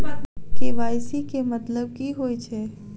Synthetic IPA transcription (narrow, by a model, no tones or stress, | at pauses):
keʋaːɪsikemət̪ləb̚kiɦojt͡ʃʰɛ